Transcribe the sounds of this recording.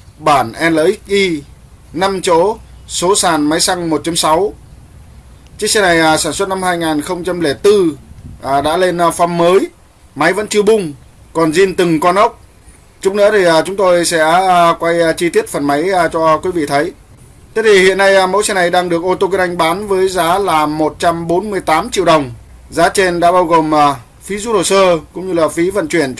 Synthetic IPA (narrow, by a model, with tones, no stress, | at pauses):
ɓaː˧˩nʔɛ˧nləː˨˧ʔi˦˥k̚ʔi˧ | na˧mt͡ɕo̰˧˥so˨˦saː˨˩nma˨˦jsa˧ŋm˨˩t̚t͡ɕa˨˦msa˨˦w | t͡ɕi˧˥˦sɛ˧na˨˩jʔsaː˧˩nswə˦˥t̚na˧mhaː˧jŋaː˨˩nxə˧wŋ͡mt͡ɕa˧mle˧˩t̪ɨ˧ʔɗa̰ː˧˥le˧n˧fa˧mːəː˨˦j | ma˨˦jvə̰˧˥nt͡ɕɨ˧wɓʊ˧ŋ͡m | kɔ˨˩nzi˧nt̪ɨ˨˩ŋkɔ˧nʔə˦˥wk͡p̚ | t͡ɕʊ˦˥k͡p̚nɨ̰˧˥t̪ʰi˨˩ʔːt͡ɕʊ˨˦ŋ͡mt̪o˧jsɛ̰˧˥˧kwa˧jt͡ɕi˧t̪i˦˥ət̚fə˨˩nma˨˦jt͡ɕɔ˧kwi˨˦vḭ˧˨t̪ʰə˨˦j | t̪e˦˥t̪ʰi˨˩hḭ˧˨ənːa˧jmo̰˧˥jsɛ˧na˨˩jɗaː˧ŋɗɨ˨˩ək̚ʔo˧t̪o˧kə˧˦ʔa˧jŋ̟ɓaː˨˦nvəː˨˦jzaː˨˦laː˨˩mo˨˩t̚t͡ɕa˧mɓo˨˦nmɨ˧əjt̪aː˨˦mt͡ɕḭ˧˨əwɗə˨˩wŋ͡m | zaː˨˦t͡ɕe˧nɗa̰ː˧˥ɓaː˧wɣo˨˩mʔa˨˩ | fi˨˦zu˧˥ɗo˨˩səː˧kʊ̰˧˥ŋ͡mɲɨ˧laː˨˩fi˨˦və̰˧˨nt͡ɕwi˧˩ən